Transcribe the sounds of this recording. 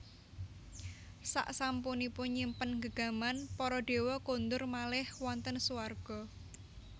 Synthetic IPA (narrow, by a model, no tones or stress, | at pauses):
sa̰ʔsampunipʊnɲimpənɡəɡ̥a̤manpɔɾɔɖ̥e̤wɔkond̪ʊrmalɪhwɔnt̪ənsuwarɡ̥ɔ̤